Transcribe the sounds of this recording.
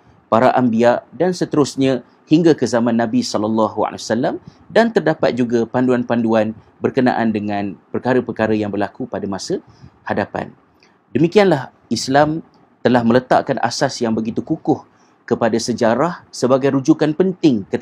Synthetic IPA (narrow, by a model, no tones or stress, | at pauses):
paɾaʔambiaʔdansət̪əɾʊsɲã | hiŋɡakəzamãnːãbisɔləlːɑɦua̰l̰wasalːam | dant̪ərdapat̪̚d͡ʒuɡapanduanpanduan | bərkəna̰ʔandəŋãnpərkaɾəpərkaɾəjaŋbərlakupadamasə | hadapa̰n | dəmikianlah | islam | t̪əlahmə̃lət̪a̰ʔkanʔa̰sasjaŋbəɡit̪ukukʊh | kəpadasəd͡ʒaɾahsəbaɡajɾud͡ʒukanpənt̪ɪŋkət̪